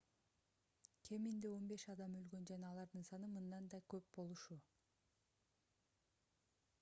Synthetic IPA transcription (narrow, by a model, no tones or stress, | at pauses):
kʰe̞mind̪eo̞nbe̞ʃɑd̪ɑmø̞lɡø̞nd͡ʒɑnɑːlˠɑɾd̪ɯnsɑnɯmɯnd̪ɑnd̪ɑkø̞pbo̞lˠuʃu